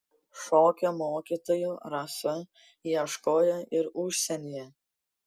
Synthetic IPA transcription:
ʃoːkʲomoːkʲit̪ojuɾɑsɐ | iɛʃkoːjɐʔɪɾʊʃʲsʲɛnʲijɛ

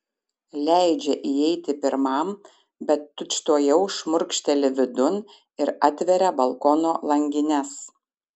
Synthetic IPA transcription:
lʲæˑɪd͡ʒʲɛʔiɛɪt̪ʲɪpʲɪɾmɑˑm | bʲɛt̪ːʊt͡ʃt̪oːjɛʊʃmʊɾʲkʃʲt̪ʲɛlʲɪʋʲɪd̪ʊn | ɪɾɑt̪ʲʋʲɛɾʲɛbɐlˠkɔːnoːlˠɐŋʲɡʲɪnʲɛs

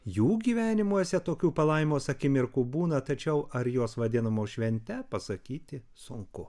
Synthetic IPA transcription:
juːɡʲiːʋʲæːnʲɪmuɔsʲɛt̪oːkʲuːpɐlˠɐɪmʲoːsɐkʲɪmʲɪɾkuːbuːnɐt̪ɐt͡ʃʲɛʊʔɐɾjoːsʋɐd̪ʲɪnɐmoːʃʲʋʲɛnʲt̪ʲɛpɐsɐkʲiːt̪ʲɪ | sʊŋkʊ

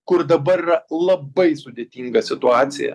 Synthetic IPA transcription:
kʊɾd̪ɐbɐɾɪrɐlˠɐbɐɪsʊd̪ʲeːt̪ʲiːŋɡɐsʲɪt̪ʊɑːt̪sʲɪ̰jɛ̰

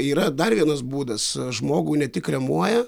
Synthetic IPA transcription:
iːɾɐd̪ɐrʋʲiɛnɐsbuːd̪ɐsʒmoːɡuːnʲɛt̪ʲɪkrʲɛmuɔjɛ

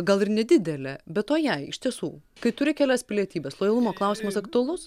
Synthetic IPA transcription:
ɡɐlˠɪrnʲɛd̪ʲɪd̪ʲɛlʲɛbʲɛt̪toːjɛɪɪ̰ʃʲt̪ʲiɛsṵːkɐɪt̪ʊɾʲɪkʲæːlʲæːspʲɪlʲiɛt̪ʲiːbʲɛːslˠoːjɛlˠʊmoːklˠɐˑʊsʲiːmɐsɐkt̪ʊɐlˠʊs

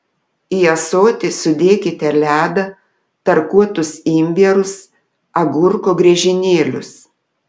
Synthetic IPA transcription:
iɛsoːt̪ʲɪsʊd̪ʲeːkʲɪt̪ʲɛlʲæːd̪ɐ | t̪ɐɾkuɔt̪ʊsiːmʲʋʲeɾʊs | ɐɡʊɾkoːɡɾʲɛːʒʲɪnʲeːlʲʊ̰s

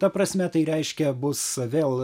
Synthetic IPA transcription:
t̪ɐpɾɐsʲmʲɛt̪ɐɪɾʲɛɪʃʲkʲɛbʊsʋʲeːlˠ

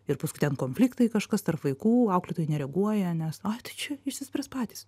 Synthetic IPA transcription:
ɪrpɐskʊɪt̪ʲɛnkoːnʲfʲlʲɪːkt̪ɐɪkɐʃkɐst̪ɐrpʋɐɪkuːɐʊklʲɪt̪oːjɪnʲɛɾʲɛɡuɔjɛnʲɛsɐt̪ɐɪt͡ʃʲɛɪʃʲsʲɪsʲpʲɾʲɛspɑːt̪ʲiːs

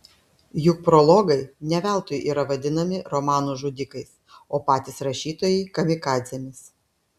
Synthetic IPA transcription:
jʊk̚pɾɔlˠɔːɡɐɪnʲɛʋʲɛˑlˠt̪ʊjʔḭːɾɐʋɐd̪ʲɪnɐmʲɪɾɔmɑːnuːʒud̪ʲɪkɐɪs | oːpɑːt̪ʲɪsɾɐʃʲiːt̪oːjɛɪkɐmʲɪkɑːd̪zʲɛmʲɪs

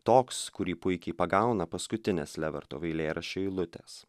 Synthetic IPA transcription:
t̪oːkskʊɾʲiːpʊɪkʲɛɪpɐɡɑˑʊnɐpɐskʊt̪ʲɪnʲḛslʲæʋʲɛ̰ɾt̪oːʋʲɐɪlʲeːɾɐʃʲoːilˠʊt̪ʲḛːs

